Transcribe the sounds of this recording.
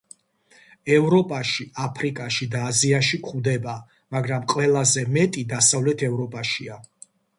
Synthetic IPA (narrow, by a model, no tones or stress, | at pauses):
ɛvɾɔpʼaʃiapʰɾikʼaʃid̪aːziaʃikʰʼχud̪ɛba | maɡɾamqʼwɛlˠazɛmɛt̪ʼid̪asavlɛt̪ʰɛvɾɔpʼaʃia